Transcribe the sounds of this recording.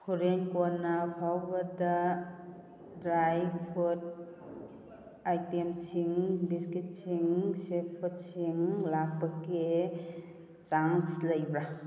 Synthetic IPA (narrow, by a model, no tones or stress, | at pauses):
kʰuɾenkonːapʰawbɐda | dɾajpʰut̚ | ajtemsiŋbiskit̚siŋseppʰut̚siŋlak̚pɐke | t͡ʃaŋsləjbɾa